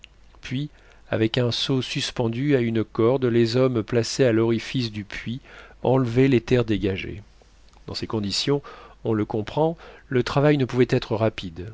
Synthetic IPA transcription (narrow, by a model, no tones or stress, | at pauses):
pɥi | a̰vɛkɛ̃sosyspɑ̃d̪yaynkɔʁd̪lezɔmplasealɔʁifis̬d̪ypʰɥiɑ̃lvɛlet̪ɛʁd̪eɡaʒḛ | d̪̥ɑ̃sekɔ̃d̪isjɔ̃ɔ̃ləkɔ̃pχɑ̃lət̪χavajnəpuvɛt̪ɛt̪χəʁapid̪